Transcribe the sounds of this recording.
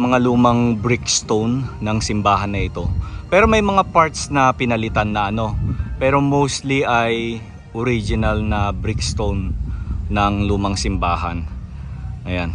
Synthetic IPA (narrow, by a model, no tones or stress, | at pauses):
mɐŋaluːmɐŋbɾɪkst̪ownːɐŋsɪmbaːɦɐnːɐʔɪt̪o̞pɛːɾo̞mɐjmɐŋapaɹt̪snɐpɪnɐlɪt̪anːɐʔɐno̞pɛːɾo̞mowst̪liʔɐj | ʔoɾid͡ʒɪnɐlnɐbɾɪkst̪ownː | ɐŋluːmɐŋsɪmbaːhɐ̰n | ʔɐjan